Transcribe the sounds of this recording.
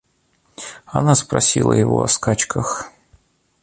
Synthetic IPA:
ɐnaspɾɐsʲilˠə̰jɪvo̰ɐskat͡ɕkʰəx

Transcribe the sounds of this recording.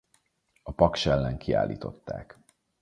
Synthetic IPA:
ɒpɒkʃɛlːɛŋkʰia̰ːlːiːt̪o̞t̪ːaːk

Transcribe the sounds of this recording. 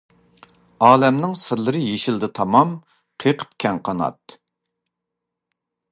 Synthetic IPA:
ɑːlɛmnɪŋsɨɾlˠɨɾɨjeʃɪlˠd̪ɪt̪ʰɑmɑm | qʰeqʰə̥p̚kʲʰɛŋqʰɑnɑ̰t̪

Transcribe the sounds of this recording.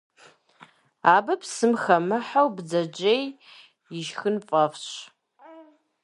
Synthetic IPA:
aːbɐpsɨmxɐmɨħowbd͡zɐd͡ʒej | jɪʒxɨnfʼɐfɕ

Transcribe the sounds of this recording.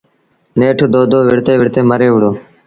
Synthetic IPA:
neːʈʰːd̪oːd̪oːʋɪɽt̪eːʋɪɽt̪eːməɾeːʋʊɽoː

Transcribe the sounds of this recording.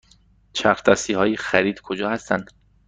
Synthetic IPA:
t͡ʃʰæɾt̪ʰɒːsiːhɒːjixæɾiːd̪kʰod͡ʒɒːhæst̪ʰæ̰nd̪̥

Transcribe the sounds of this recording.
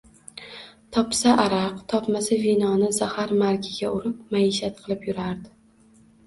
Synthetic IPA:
t̪ʰɒpsaʔaɾaqt̪ʰɒpmasavinɒnɪzahaɾmaɾkʲʰɪɡʲaʊɾɪp̚maeʃat̪̚qʰɨlˠɪpjʊɾaɾd̪ɪ

